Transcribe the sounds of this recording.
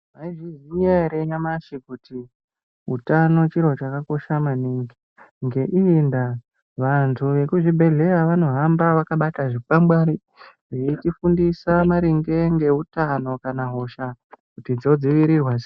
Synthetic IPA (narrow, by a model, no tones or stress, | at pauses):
maiʐiʐiɲeɾeɲamaʃikutʰi | ɦṵtano̞t͡ʃiɾo̞t͡ʃakako̞ʃamaniŋɡi | ŋɡe̞ʔinda | ʋantʰuʋe̞kuʐibʱe̞ɮe̞ɾaʋano̞ɦambaʋakaɓataʐipambwaɾi | ʐiitifundisamaɾiŋɡe̞ŋɡe̞ɦutano̞kanaɦo̞ʃakutid͡zo̞d͡ziʋiɾirwaz